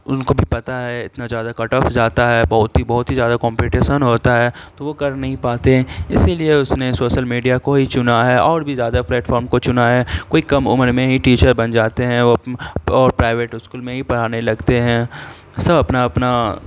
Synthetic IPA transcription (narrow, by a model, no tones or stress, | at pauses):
ʊnkobʱipɐt̪aɦɛɪt̪nazjaːd̪akɐʈɔfzaːt̪aɦɛbɐɦʊt̪ɦibɐɦʊt̪ɦizjaːd̪akɔ̃ːmpiʈeːʃənɦoːt̪aɦɛt̪oʋokɐɾnɐɦĩpaːt̪eɦɛ̃ɪsilieʊsnesoːʃəlmiːɖijakoɦit͡ʃʊnaɦɛɔːɾbʱizjaːd̪aplɛːʈfɔːɾmkot͡ʃʊnaɦɛːkoːikɐmʊ̰məɾmẽɦiʈiːt͡ʃəɾbɐ̃nd͡ʒaːt̪eɦɛ̃ʋoɔːɾpɾaːɪʋeːʈɪskuːlmẽɦipɐɽ̤aːnelɐɡt̪eɦɛ̃ | sɐbɐpnaɐpna